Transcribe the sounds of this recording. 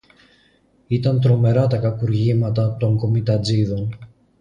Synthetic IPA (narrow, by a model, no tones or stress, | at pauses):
it̪ɐnt̪ɾo̞me̞ɾɐt̪ɐkɐkuɾʝimɐt̪ɐt̪o̞ŋko̞mit̪ɐd͡ziðo̞n